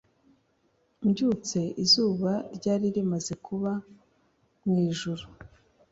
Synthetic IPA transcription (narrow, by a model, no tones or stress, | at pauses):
mɟut͡se̞ʔizuːβaɾɟaːɾiɾimaze̞kʰuβa | mŋiːʒuɾu